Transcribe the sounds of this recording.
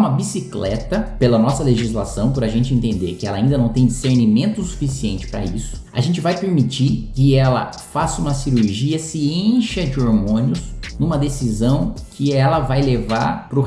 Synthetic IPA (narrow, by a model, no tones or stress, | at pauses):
mɐbisiklɛ̰t̪ɐpelɐnɔsɐleʒizlasɐ̃w̃pʊɾaʒẽnt͡ʃɪẽnt̪ẽnd̪ḛɾkɪɛlɐaĩnd̪ɐnɐ̃w̃t̪ẽj̃d͡ʒiseɾnimẽnt̪ʊsu̥fisiẽnt͡ʃɪ̥pɾɐa̰ḭsʊ̥a̰ʒẽnt͡ʃɪvajpeɾmit͡ʃikɪɛlɐ̰ | fasũmɐsiɾuɾʒiɐsɪẽʃɐd͡ʒɪoɾmõnɪʊsnũmɐd̪esizɐ̃w̃kʰɪɛlɐvajlevaɾpɾʊ